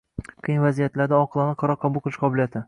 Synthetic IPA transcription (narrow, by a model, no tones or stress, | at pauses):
qʰɨjnvazijat̪laɾd̪aɒqʰɨlˠɑnɪqʰɑɾɒqʰɑbʊlˠqʰɨlˠɪʃqʰɒbɪlijat̪ʰɪ